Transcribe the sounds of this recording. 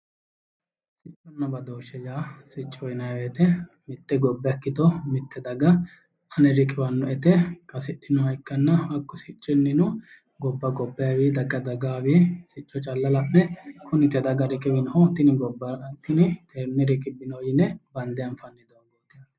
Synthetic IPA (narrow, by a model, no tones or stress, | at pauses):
sɪt͡ʃʼːɔnːɐbɐd̪oːʃɛd͡ʒaːsɪt͡ʃʼːɔjnɐjwɛt̪ɛ | mɪt̪ːɛɡɔbːɛɐkːɪt̪ɔmɪt̪ːɛd̪ɐɡɐ | ɐnɛɾɪkʼɪwɐnːɔʔɛt̪ɛkʼɐsɪɗːɪnɔhɐjkːɐnːɐɐkːɔsɪt͡ʃʼːɪnːɪnʊ | ɡɔbːɐɡɔbːɐjɐwid̪ɐɡɐd̪ɐɡaːwisɪt͡ʃʼːɔt͡ʃʼɐlːɐlɐmːɛkʰʊnɪt̪ɛd̪ɐɡɐɾɪkʼɪbɪnhɔt̪ɪnɪɡɔbːɐt̪ːɪnɪt̪ɛnːɛɾɪkʼɪbːɪnojɪnɛbɐnd̪ɛjɐnfɐnːɪd̪oɡoːt̪ːɪn